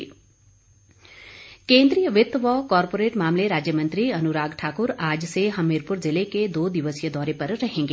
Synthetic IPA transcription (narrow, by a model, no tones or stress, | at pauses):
kẽːnd̪ɾijəʋɪt̪ʋɔkɔːɾpoːɾeːʈmaːmleɾaːd͡ʒjəmə̃nt̪ɾiɐnuɾaːɡʈʰaːkʊɾaːd͡ʒseɦɐmːeːɾpʊɾzɪleked̪oːd̪iʋəsijəd̪ɔːɾepɐɾɾɐɦẽːŋɡe